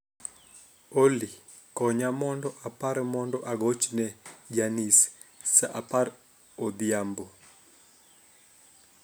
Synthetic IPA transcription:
oli | kɔɲamɔndɔʔapaɾmɔndɔʔaɡot͡ʃnɛd͡ʒanis | saʔapaɾ | od̪iambo

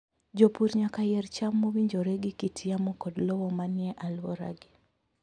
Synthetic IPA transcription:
d͡ʒopuɾɲakajɛrt͡ʃamːowiɲd͡ʒoɾɛɡɪkitʰiamɔkɔdlɔwɔmanjɛʔalwɔɾa̰ɡɪ

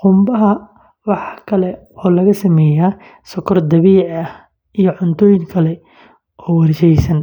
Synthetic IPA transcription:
qʊmbɐɦɐ | wɑħkʰɐlɛ | ɔːlɐɣɐsɐmɛːja | sɔkʰɔrd̪ɐβiːʕɐh | ijɞʕʊnt̪ʰɔːjɪŋkʰɐlɛ | ʔɔːwɐrʃɛjsɐn

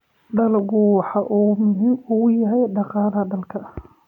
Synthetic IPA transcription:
ɖɐlɣʊwɑħɑʔʊmʊɦimʊɣʊjɐɦɛjɖɑqɑːlɐɖɐlkʰɐ

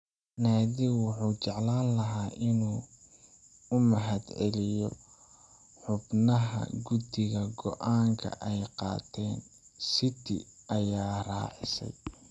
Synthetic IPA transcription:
naːðiwʊħuːt͡ʃɛʕlaːnlɐɦaːʔɪnuː | ʊmɐɦɐd̪ʕɛlɪjɔ | ħʊbnɐɦɐ̰ɡʊd̪ɪɣɐɡɔʔaːŋkʰɐ̰ʔɛjqɑ̰ːt̪ʰɛːn | sɪt̪ʰɪ̰ɐjaːrɑːʕɪ̰sɛ̰j

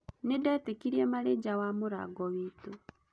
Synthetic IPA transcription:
nedɛtekiɾiɛmaɾed͡ʒawamoɾa̰ɡɔwiːto

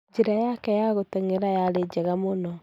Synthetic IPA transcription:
d͡ʒiɾajakɛjaɣoteŋeɾajaɾed͡ʒɛɣamonɔ

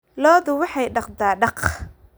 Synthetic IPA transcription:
lɔːðʊwɑħɑjɖɑqd̪aːɖɑq

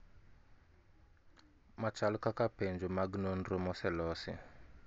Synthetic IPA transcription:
mat͡ʃalʊkakapend͡ʒʊmaɡnon̩ɾomɔsɛlɔsɪ̰

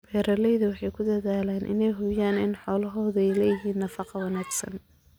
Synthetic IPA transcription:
bɛːɾɐlɛjðɐwɑħɑjkʰʊd̪ɐðaːlɛːnʔɪ̰nɛjɦʊjaːnɪnħɔːlɐɦɔːðɛjlɛjɪɦiːnːɐfɑqɑwɑnaːɡsɐ̰n

